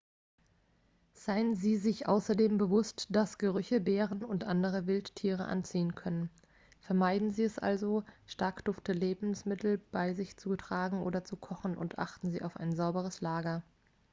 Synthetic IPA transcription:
z̥aɪənziːzɪçʔa̰ʊsɐdeːmbəvʊstd̥asɡ̥əʁʏçəbeːʁənʊntʔandəʁ̞əvɪlttʰiːʁə̰ʔa̰nt͡siːənkʰœnən | fɛɐmaɪdn̩ziːɛsʔa̰lzoʃtaɐkd̥ʊftəleːbm̩smɪtl̩b̥aɪzɪçt͡sutʁ̥aːɡŋ̩ʔo̰ːdɐt͡sukʰɔχn̩ʔʊ̰ntʔa̰χtn̩zḭːʔaʊfa̰ɪnzaʊbəʁ̞əslaːɡɐ

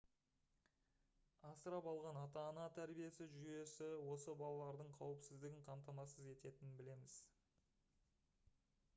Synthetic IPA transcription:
ɑsəɾɑpɑlˠʁɑnɑt̪ɑnɑt̪ʰæɾbije̞sɪʒʏje̞sɪwo̞səbɑlˠɑlˠɑɾd̪əɴqʰɑwɪpsɪzd̪ɪɡʲɪɴqʰɑmt̪ɑmɑsəze̞t̪e̞t̪ɪnɪnbɪle̞mɪz̥

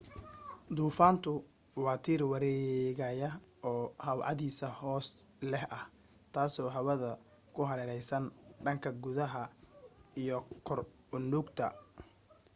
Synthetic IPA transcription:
d̪uːfaːnt̪ʰʊ | wɑːt̪ʰiːrwɑɾɛːɣɐjɐ | ɔːhɐwʕɑ̰ðiːsɐhɔːslɛhʔɐh | t̪ʰaːsɔːɦɐwɐðɐ | kʰʊɦɐɾɛɾɛjsɐnɖɐŋkʰɐɡʊðɐɦɐ | ijɔkʰɔr | ʊnuːɡt̪ʰɐ̰

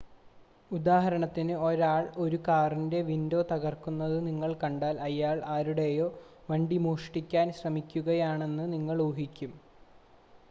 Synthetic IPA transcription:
ud̪aːɦɐɾɐɳɐt̪ːinɨo̞ɾaːɭo̞ɾukaːrinde̞ʋindo̞ːt̪ɐɣɐrkunːɐðɨniŋːɐɭkɐɳɖaːlɐjaːɭaːɾuɽe̞jo̞ː | ʋɐɳɖimoːʂʈikʲːaːnɕrɐmikʲːuɣɐjaːɳe̞nːɨniŋːɐɭuːɦikʲːum

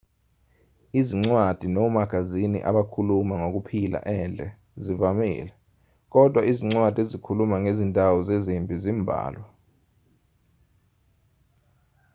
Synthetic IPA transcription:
iziŋ͡ǀwad̥ʱinɔmaɡ̥ʱazinḭʔa̰ɓakʰulumaŋok̬upʰila̰ʔɛnd͡ɮʱɛ | zivamḭːlɛ | k̬ɔd̥ʱwaiziŋ͡ǀwad̥ʱezikʰulumaŋezintʼawɔzezimbʼʱizimbʱa̰ːlwa

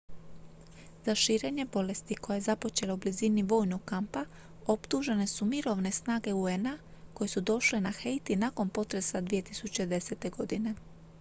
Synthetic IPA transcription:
z̥aʃiːɾe̞ːɲe̞bo̞le̞st̪iko̞jajezapo̞t͡ʃe̞laubliziniʋo̞jnoɡkampa | o̞pt̪uʒe̞ne̞sumiɾo̞ʋne̞snaːɡe̞uena | ko̞jesud̪o̞ʃle̞naxejt̪inako̞npo̞t̪ɾe̞sad̪ʋije̞t̪isut͡ɕe̞d̪e̞se̞t̪e̞ɡo̞d̪ine̞

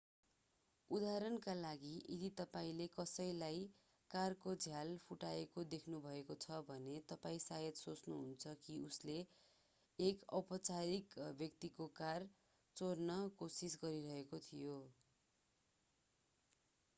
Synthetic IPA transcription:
ud̪aɾʌnkalaɡiʔid̪it̪ʌpaĩlekʌsʌjlaj | karkod͡zʱjalpʰuʈaekod̪ekʰnubʱʌekot͡sʰʌbʱʌnet̪ʌpaĩsajʌd̪sot͡snuɦunt͡sʰʌkiusleː | kʌpʌt͡saɾikbʱjʌk̚t̪ikokar | t͡sornʌkosisɡʌɾiɾʌɦekot̪ʰijo

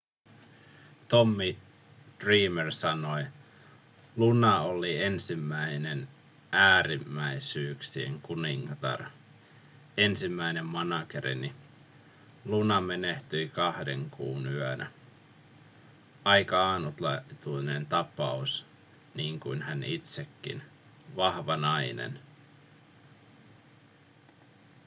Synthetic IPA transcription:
t̪omːi | d̥riːmersɑnoj | lunɑolie̞nsimːæinen | æːɾimːæisyːksiḛŋkuniŋːɑt̪ɑ̰r | e̞nsimːæine̞mːɑnɑkeɾḭni | lunɑme̞neht̪yikɑhde̞̰ŋkuːnyœnæ | ɑjkɑɑːnut̪lɑt̪uinent̪ɑpɑus | niːŋkuinhænit̪sekːḭn | ʋɑhʋɑnɑinḛn

